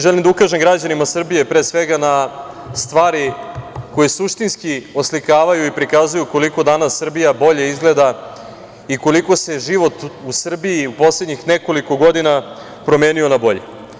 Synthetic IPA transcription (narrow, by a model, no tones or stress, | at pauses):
ʒelimd̪aukaʒemɡɾad͡ʑanimasr̩bije̞pɾesʋe̞ɡana | st̪ʋaːɾiko̞jesuʃt̪inskioslikaːʋajuipɾikazujuko̞liko̞d̪anasːr̩bijabo̞ʎe̞izɡle̞d̪a | iko̞liko̞se̞ʒiʋo̞t̪usr̩biiupo̞sledɲixne̞ko̞liko̞ɡo̞d̪ina | pɾo̞me̞ːnio̞nabo̞ʎḛ